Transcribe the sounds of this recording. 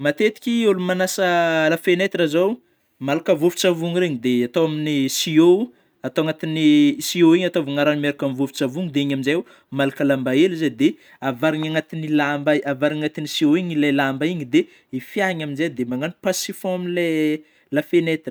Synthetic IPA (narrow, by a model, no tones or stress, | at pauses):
mat̪et̪i̥kʲiulumanasəlafenet̪irazow | malakavufut͡savuŋɾeɲid̪eat̪owaminisio | at̪oaŋat̪inisioiɲat̪ovuŋaɾanimeɾukamvuvu̥t͡savuŋd̪eiɲaminzeu | malakəlambaelized̪e | avaɾiɲaŋat̪inilambaavaɾaŋat̪inisioiɲilalambaiɲid̪e | ifjaɲaminzed̪emaŋɡanipasifõamle | lafenet̪ir